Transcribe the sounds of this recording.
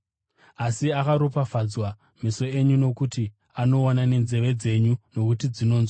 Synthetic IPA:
asiakaɾopafad͡zwa | miso̞e̞ɲuno̞kuti | ano̞ːnane̞nze̞ʋe̞d͡ze̞ɲuno̞kutid͡zino̞ːnzwo

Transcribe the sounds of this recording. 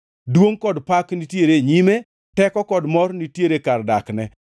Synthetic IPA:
dwoŋkɔdpaknitjeɾeɲime | tɛkɔkɔdmɔrnitjeɾekardaknɛ

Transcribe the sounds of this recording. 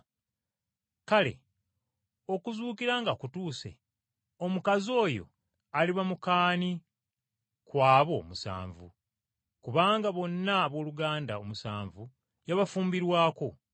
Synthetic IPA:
kale̞̰ | o̞kuzuːkiɾaːŋɡakutuːsḛ | omukazo̞ːjo̞̰ | aliβamukaːni | kwaːβo̞ːmusa̰ːɱvṵ | kuβaːŋɡaβo̞nːaːβo̞ːluɡaːndao̞musa̰ːɱvu | jaβafuːmbiɾwaːko̞

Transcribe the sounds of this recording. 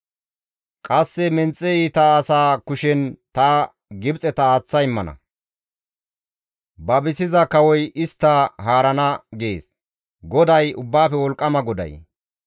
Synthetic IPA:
kʼɐsːɛmɛnt͡sʼːɛiːt̪ɐːsaːkʊʃɛnt̪ɐ | ɡɪbt͡sʼɛt̪ɐaːt͡sːɐjɪmːɐnɐ̰ | bɐbɪsɪzɐkɐwɔjɪst̪ːɐɦaːɾɐnɐɡḛːs | ɡɔd̪ɐjʊbːaːfɛwɔlkʼːɐmɐɡɔd̪ɐ̰j

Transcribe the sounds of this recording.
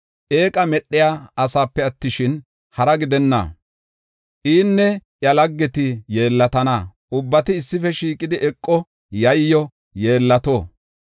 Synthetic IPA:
ʔeːkʼɐmɛɗːɪjaːɐsaːpːɛɐt̪ːɪʃɪn | hɐɾɐɡɪd̪ɛnːɐ̰ː | ʔiːnːɛʔjɐlɐɡːɛt̪ɪje̞ːlːɐt̪ɐnaː | ʊbːɐt̪ɪɪsːɪfɛʃiːkʼɪd̪ɪʔɛkʼːɔ | jɐjːɔ | je̞ːlːɐt̪oː

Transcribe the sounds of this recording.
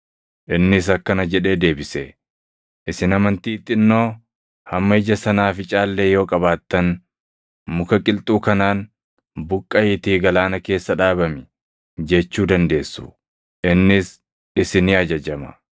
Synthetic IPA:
ʔɪnːɪs̬ɐkːɐnɐd͡ʒɛᶑe̞ːd̪e̞ːbɪsɛ | ʔɪsɪnɐmɐnt̪iːt̪ʼːɪnːo̞ː | hɐmːɐɪd͡ʒɐsɐnaːfɪt͡ʃʼaːlːeːjo̞ːkʼɐβaːt̪ːɐn | mʊkɐkʼɪlt̪ʼuːkɐnaːn | bʊkʼːɐɪt̪iːɡɐlaːnɐke̞ːsːɐᶑaːbɐmɪ | d͡ʒɛt͡ʃːuːd̪ɐnd̪e̞ːsːʊ̰ | ʔɪnːɪs | ɪsɪnɪɐd͡ʒɐd͡ʒɐmɐ̰

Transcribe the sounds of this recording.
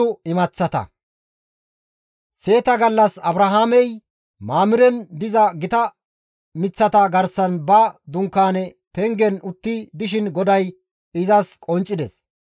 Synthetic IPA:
ʊɪmɐt͡sːɐt̪ɐ̰ | se̞ːt̪ɐɡɐlːɐsɐbɾɐɦaːmɛj | maːmɪɾɛnb̪ɪzɐɡɪt̪ɐ | mɪt͡sːɐt̪ɐɡɐɾsɐnbɐd̪ʊŋkːaːnɛ | pɛŋɡɛnʊt̪ːɪd̪ɪʃɪnɡɔd̪ɐj | ɪzɐskʼɔnt͡ʃʼːɪd̪ɛs

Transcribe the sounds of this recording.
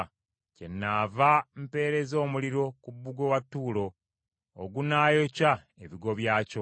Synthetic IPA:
ce̞̰nːaːvampe̞ːɾe̞zo̞ːmuliɾo̞kubːuɡo̞watːuːlo̞̰ː | ɡunaːjo̞ca | eβiɡo̞βjaːco

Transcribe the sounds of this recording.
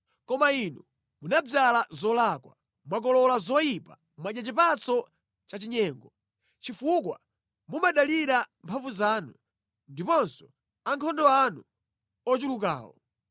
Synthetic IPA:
kɔmainu | munab͡ʐalazɔlakwa̰ | mwak̬ɔlɔlazɔjipa | mwaʄat͡ʃipat͡sɔ | t͡ʃat͡ʃiɲɛːŋɡɔ | t͡ʃifukwa | mumaɗaliɾampʰaɱvuzaːnu | ndipɔnsɔ | aŋkʰɔndɔanu | ɔt͡ʃuluka̰ːwɔ̰

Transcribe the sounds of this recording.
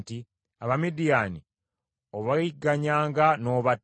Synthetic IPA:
ti | a̰βamidijaːni | oβaiɡːaɲaːŋɡano̞ːβat

